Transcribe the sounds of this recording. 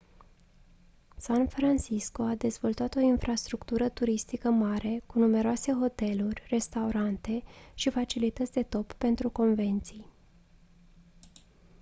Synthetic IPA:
sanfɾant͡ʃiskoad̪e̞zvo̞lt̪at̪o̞infɾast̪ɾukt̪uɾət̪uɾist̪ikəmaɾe̞kunume̞ɾoase̞ɦo̞t̪e̞lurʲre̞st̪auɾant̪e̞ʃifat͡ʃilit̪ət̪sʲd̪e̞t̪o̞pːe̞nt̪ɾuko̞nve̞nt̪sij

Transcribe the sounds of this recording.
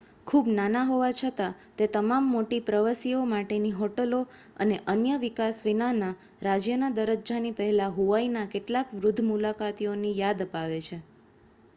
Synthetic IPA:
kʰubnanaɦoʋat͡ʃʰət̪at̪et̪əmamːoʈipɾəʋəsiomaʈeniɦoʈəlo | ə̰neʔənjəʋikasʋinana | ɾad͡ʒjənad̪əɾəd͡ʒd͡ʒanipəɦɛlaɦuʋainakeʈlakʋɾʊd̪ʱːmulakat̪ionijad̪əpaʋet͡ʃʰe

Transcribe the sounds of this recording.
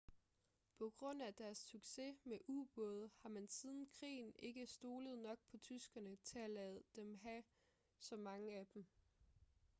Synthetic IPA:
pʰɒ̽ɡ̥ʁɔ̽n̰æd̥æɐsːyɡ̥se̝meʔub̥ɔð̞̩ˠhɑ̈mænsiːð̞ˠn̩kʰʁḭːn̩e̝ɡ̥əsd̥o̝ːləð̞̩ˠnɒ̽ɡ̥̚pʰɒ̽t͡sʰysɡ̥ɐnət͡sʰe̝ælɛð̩ˠd̥emɦæ | sɒ̽mɑ̈ŋəæd̥em

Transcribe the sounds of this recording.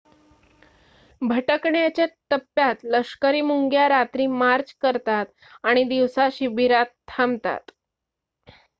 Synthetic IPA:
bʱəʈəkɳjat͡ɕjat̪əpːjat̪ləʂkəɾiːmuŋɡjaɾat̪ɾiːmaɾd͡ʑkəɾt̪at̪ | aɽ̃id̪iʋsaɕibʱiɾat̪ʰːamt̪a̰t̪

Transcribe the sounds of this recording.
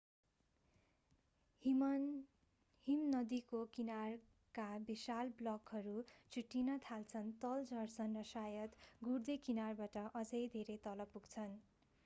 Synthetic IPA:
himnʌd̪ikokinar | kabisalblʌkɦʌɾut͡sʰuʈːinʌt̪ʰalt͡sʰʌnt̪ʌld͡zʌrsʌnrʌsajʌt̪ɡurd̪ekinarbaʈʌʔʌd͡zʌjd̪ʱeɾet̪ʌlʌbpːuɡt͡sʰʌn

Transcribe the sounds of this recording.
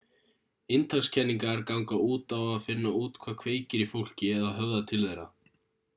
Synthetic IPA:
ɪnt̪ʰakscʰɛnːiŋkaɛɾkawŋkauːt̪awaðfɪnːauːt̪kʰvaːkʰveːjcɪɾifowl̥cɪɛðaðɦœvðat̪ʰɪlðejɾa

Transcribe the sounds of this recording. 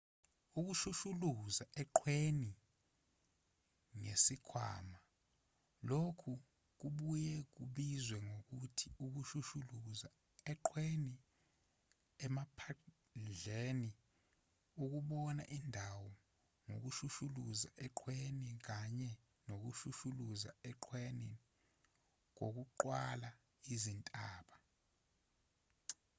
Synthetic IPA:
uk̬uʃuʃuluzaʔɛǃʰweni | ŋesikʰwa̰ːma | lokʰu | k̬uɓujɛk̬uɓizwɛŋok̬utʰiuk̬uʃuʃuluza | ɛǃʰweni | ɛmapʰa | nd͡ɮeni | uk̬uɓɔna̰ʔindʱawɔ | no̰k̬uʃuʃuluzaʔɛǃʰwenik̬aɲɛ | nok̬uʃuʃuluza̰ɛǃʰweni | ŋ̬o̰k̬uǃwala | izintʼaːɓa

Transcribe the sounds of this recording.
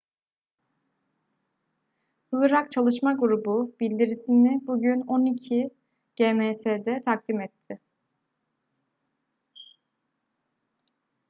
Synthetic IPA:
hɯlˠɯɾakt͡ʃʰalˠɯʃmaɡuɾububilʲd̪iɾisinɪbuɟyno̞nicʰi | ɟ̥eːmeːt̪ʰeːd̪ɛt̪ʰak̚d̪imɛt̪ʰːɪ

